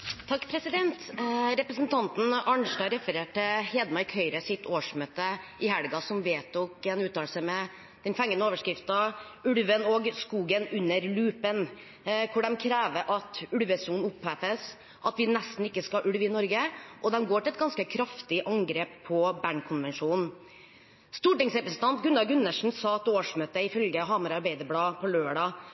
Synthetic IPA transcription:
t̪ʰɑkːpʰɾɛsɪd̪ɛnt̪ɾɛpɾəsnt̪ʰɑnt̪n̩ɑɳʂʈɑɾɛfəɾeːʈːɪheːd̪mɑɪkʰœʏɾəsɪt̪ʰoːʂmøːt̪əɪhæɽɡɑsɔmʋeːt̪uːkɛnʉːt̪ːɑːlsəmɛ | d̪̥ɛnfɛŋːənəoːʋəʂkɾɪft̪ɑʉɽʋənɔɡskuːɡənʉnːəɾlʉːpən | kʰʊɖɛmkʰɾæːʋəɾʔɑt̪ʉɽʋəsuːnʊpːæfəs | ʔɑt̪ʋɪnɛst̪n̩ɪkːəskɑʔʉɽʋəɪnɔɾɡəʔɔd̪ɛmɡoːʈɪlɛt̪̚ɡɑnskəkʰɾɑft̪ɪʔɑŋɡɾeːppʰːɔbæɳkʰʊnʋɛnʂuːnn̩ | st̪uːʈɪŋsɾɛpɾɛsnt̪ʰɑnt̪ɡʉnɑɡʉnːəʂn̩sɑt̪oːʂmøːt̪əɪfœlɡəɦɑːməɾɑɾbæɪd̪əblɑːpʰɔløːɖɑ

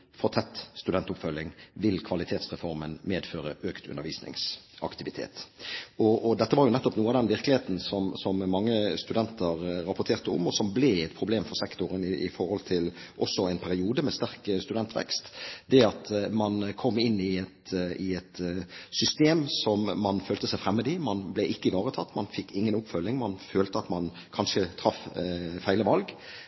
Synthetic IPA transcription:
fɔɾt̪ʰɛt̪ːst̪ʉd̪ɛnt̪ʊpfœlːɪŋʋɪlkʰʋɑlɪt̪ʰeːt̪sʁɛfɔɾmənmeːd̪føːɾəʔøːkt̪ʰʉ̰nəɾʋiːsnɪ̰ŋsɑ̰kt̪ɪʋɪt̪ʰḛːt̪ɔɔd̪ɛt̪ːəʋɑɾjʊnɛt̪ːɔpnuːəɑd̪ɛnʋɪɾklɪheːt̪n̩sɔmsɔmmɑŋːəst̪ʉd̪ɛnt̪əɾɾɑpːʊt̪ʰeːʁt̪əʊ̰mɔsɔmbleɛt̪̚pʰɾʊbleːmfɔʁsɛkt̪ʊɾənɪɪ̰fɔɾhɔlt̪ʰɪlʔɔsːɔæɪnpʰæɾɪuːd̪əmɛst̪æʁkst̪ʉd̪ɛnt̪ʰʋɛ̰kst̪d̪ɛɑt̪mɑnkʰɔmːɪnːɪɛt̪ɪɛt̪sʏst̪eːmsɔmːɑnføːlt̪əsæɪfɾɛmːəd̪imɑnblɛʔɪkːəɪʋɑːɾət̪ʰɑt̪ːmɑnfɪkːɪŋːənʊpfœlːɪŋmɑnføːlt̪əɑt̪mɑn | kʰɑnʂət̪ʰɾɑffæɪləʋɑlɡ

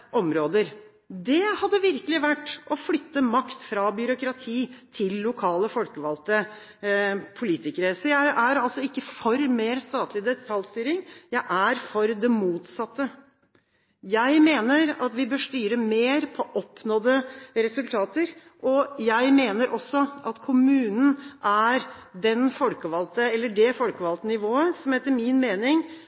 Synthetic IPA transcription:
ʔɔmɾoːd̪əɾ | d̪ɛhɑd̪ːəʋɪɾkəlɪʋæʈːʔɔflʏt̪ːəmɑkt̪fɾɑbjʏɾʊkɾɑt̪ʰiːt̪ʰɪlːʊkʰɑːləfɔlkəʋɑlt̪ə | pʰʊliːt̪ɪkəɾəsɔjæɪʔæɾɑlsɔɪkːəfɔɾmeːɾst̪ɑːt̪lɪd̪ɛt̪ʰɑlʲst̪yːɾɪŋjæɪʔæɾfɔɾd̪ɛmuːt̪sɑt̪ːə | jæɪmeːnəɾɑt̪ʋɪbøːʂt̪yːɾəmeːɾpʰɔʔɔpːnoːd̪əɾɛsʉlt̪ʰɑːt̪əɾ | ʔɔjæɪmeːnəɾʔɔsːɔʔɑt̪kʰʊmʉːnn̩ʔæɾd̪ɛnfɔlkəʋɑlt̪əɛlːəɖɛfɔlkəʋɑlt̪ənɪʋoːəsɔmheːt̪ːəɾmɪnmeːnɪŋ

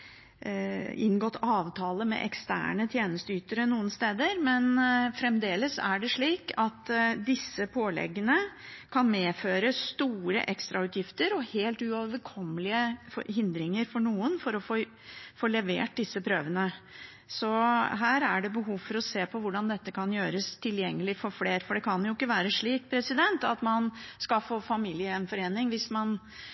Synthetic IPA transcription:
ɪ̰nɡɔt̪ːʰɑːʋt̪ʰɑːləmɛ̰ʔɛkst̪æ̰ːɳət̪ʰjeːnəst̪əyːt̪əɾənuːənst̪eːd̪əɾmɛnfɾɛmd̪eːləsæɖɛʂɭiːkɑt̪d̪ɪsːəpʰoːlɛ̰ɡːənəkʰɑnmeːføːɾəst̪uːɾə̰ʔɛkst̪ɾʔɑʉːt̪jɪft̪əɾɔheːlt̪ʉoːʋʋəɾkʰɔmːəlɪəfhɪnd̪ɾɪŋəɾfɔɳuːənfɔɾɔfoː | foːlɛʋḛːʈ̚d̪ɪsːəpʰɾøːʋənə | sɔɦæːɾæɖɛbəɦuːfɔɾɔseːpʰɔʋʊɖɑnd̪ɛt̪ːəkʰɑnjøːɾəst̪ʰɪljɛŋːəlɪfɔɾfleːɾfɔɖɛkʰɑnjʊɪkːəʋæːɾəʂɭiːk̚pʰɾɛsɪd̪ɛnt̪ɑt̪mɑnskɑfoːfɑmiːlɪənfɔɾeːnɪŋʋɪsmɑn

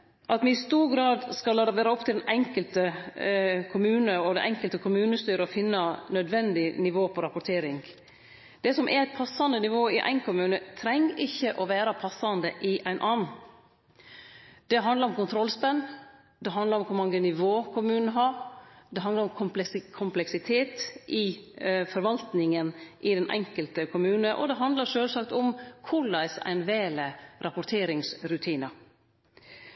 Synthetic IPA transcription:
ʔɑt̪mɛɪst̪uːɾɡɾɑːd̪skɑlɑːd̪əʋæːɾəɔp̚t̪ʰɪld̪ɛnʔɛŋkəlt̪ə | kʰʊmʉːnəɔd̪ɛ̰ʔɛŋkəlt̪əkʰʊmʉːnəst̪yːɾəɔfɪnːɑnœd̪ʋɛnd̪ɪnɪʋoːpʰɔɾɑpʊʈ̪ʰeːɾɪŋ | d̪̥ɛsɔmʔɛ̰ɾæɪt̪̚pʰɑsːɑnd̪ənɪʋoːɪʔæ̰ɪnkʊmʉːnət̪ʰɾɛŋːɾʔɪçːəʔɔʋæːɾɑpʰɑsːɑnd̪əʔɪʔæɪnʔɑːnn̩ | d̪̥ɛɦɑnd̪lɑɾɔmkʊnt̪ʰɾɔlspɛnː | d̪ɛɦɑnd̪lɑɾʊmkʰʊɾmɑŋːənɪʋoːkʰʊmʉːnəɦɑɾd̪ɛɦɑnd̪ɑɾʊmkʰʊkʰʊmplɛksɪt̪ʰeːt̪ʔɪfɔɾʋɑlt̪nɪŋənʔɪd̪ɛnʔɛ̰ŋkəlt̪əkʰʊmʉːnəʔɔ̰d̪ɛɦɑnd̪lɑɾʂøːlsɑkt̪ʊmkʰʊɭæɪsæ̰ɪnʋeːləɾʔɑpʊɾt̪ʰeːɾɪŋsɾʉt̪ʰiːnɑ

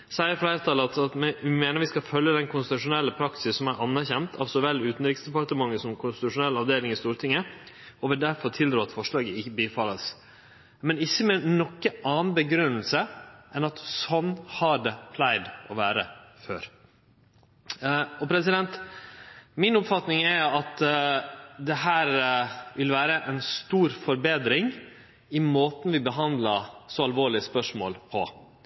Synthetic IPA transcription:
sæɪəɾfleːɾət̪ʰɑləɑt̪ɑt̪mɛmeːnəɾʋɪskɑfœljəd̪ɛnkʰʊnst̪ɪt̪ʉʂʊnɛlːəpʰɾɑksɪsːɔmæʔɑnːæɾçɛnt̪ʰɑʋsɔʋɛlːʉːt̪n̩ɾɪksd̪ɛpɑɾt̪əmɑŋːəsɔmkʰʊnst̪ɪt̪ʉʂʊnɛlɑʋd̪eːlɪŋɪst̪uːɾt̪ʰɪŋːəɔʋɪld̪æɾfɔɾt̪ʰɪld̪ɾuːɑt̪fɔʂɭɑːɡəɪçəbifɑləs | mɛnɪçːəmɛnɔkːəɑːnnbəɡɾʉnːəlsəʔɛnɑt̪sɔnːhɑɖɛpʰlæɪd̪ʔɔʋæːɾəføːɾ | ɔpʰɾɛsɪd̪ɛnt̪ | mɪnʊpfɑt̪nɪŋɛɾɑt̪ | d̪ɛɦæːɾʋɪlʋæːɾəʔɛnst̪uːɾfɔɾbeːd̪ɾɪŋ | ɪmoːt̪n̩ʋɪbəɦɑnd̪lɑsɔɑlʋoːɭɪəspœʂmo̰ːlpʰɔ

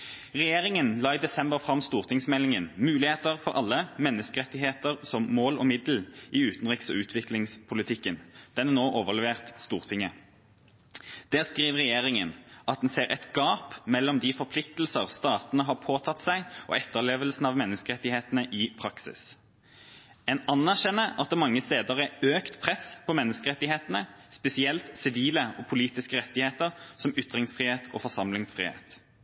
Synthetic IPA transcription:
ʁɛjeːʁɪŋənlɑːid̪ɛsɛmbəʁfʁɑmst̪uːʁt̪ɪŋsmɛlɪŋənmʉːlɪheːt̪əʁfɔɾʔɑ̰lːəmɛnːəskəʁɛt̪ːɪɦeːt̪əʁsɔmːoːlɔ̰ːmɪd̪l̩ɪʉːt̪nʁɪksɔ̰ʉːt̪ʰʋɪklɪŋspʰʊlɪt̪ʰɪkːənd̪̥ɛnænoːʔoːʋəʁlɛʋeːʁt̪st̪uːʁt̪ʰɪŋə | d̪̥æːʁskʁiːʋəʁɛjeːʁɪŋənʔɑt̪̚d̪nseːʁɛ̰t̪ɡ̥ɑːpmɛlːɔmd̪ɪfɔʁpʰlɪkt̪lsəʁst̪ɑːt̪nəɦɑpʰoːt̪ʰɑt̪sæɪʔɔ̰ɛt̪ːəʁleːʋəlsn̩ɑʋmɛnːəskəʁɛt̪ːɪheːt̪ənəʔɪpʰɾɑksɪ̰s | ɛnɑnːæʁʃɛnːəɑt̪̚d̪ɛmɑŋːəst̪eːd̪əʁæøːkt̪pʰʁɛspʰɔmɛnːəskəʁɛt̪ːɪheːt̪ənəspɛsɪɛlt̪sɪʋiːləɔpʰʊliːt̪ɪskəʁɛt̪ːɪheːt̪əʁsɔmʏt̪ʁɪŋsfʁiːheːt̪ʰɔ̰ːfɔʁsɑmlɪŋsfʁḭːhḛːt̪

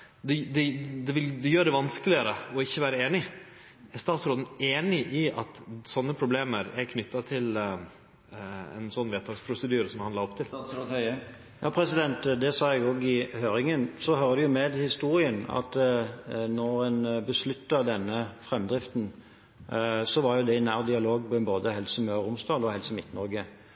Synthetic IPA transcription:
d̪ɛd̪ɛd̪ɛʋɪld̪ɛjøːɖɛʋɑnskəlɪəɾəɔɪçːəʋæːɾəeːnɪ | ɛɾst̪ɑːt̪sɾoːd̪n̩eːnɪʔɪʔɑt̪sɔnːəpʰɾʊbleːməɾɛɾkʰnʏt̪ʰːɑt̪ʰɪl | ɛ̰nsɔnːʋeːt̪ʰɑːɡspʰɾʊsəd̪yːɾəsɔmhɑnɑɾɔpt̪ʰɪl | jɑːpʰɾɛsɪd̪ɛnt̪d̪ɛsɑːɛɡoːɡɪhøːɾɪŋənsɔɦœːɾəd̪ɛjʊmɛd̪hɪst̪uːɾɪənɑ̰t̪ | nɔɾɛnbəslʉt̪ːəd̪ɛnːəfɾɛmːd̪ɾɪft̪n̩ | sɔʋɑɾjʊd̪ɛɪnæːɾd̪ɪɑloːɡ̚pɔɛnboːd̪əhɛlsəmɛɾʊmsd̪ɑːlɔhɛlsəmɪt̪ːnɔɾɡə

